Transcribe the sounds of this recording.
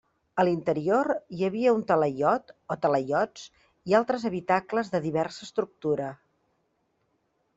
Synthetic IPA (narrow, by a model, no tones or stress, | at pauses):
əlint̪əɾioɾjəβiəunt̪ələʎɔt̪ot̪ələʎɔt͡s | ialˠt̪ɾəzəβit̪akləzðəðiβɛrsəːst̪ɾuk̚t̪uɾə